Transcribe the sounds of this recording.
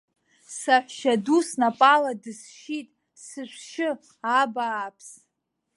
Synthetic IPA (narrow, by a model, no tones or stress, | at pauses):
saħʷᶣʃadusnapʼaladɨsʃitʼ | sɨʃʷʃɪ | abaːpʰs